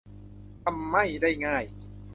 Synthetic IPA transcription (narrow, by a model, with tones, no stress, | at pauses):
t̪ʰa˧mːa˥˩jdaː˥˩jŋaː˥˩j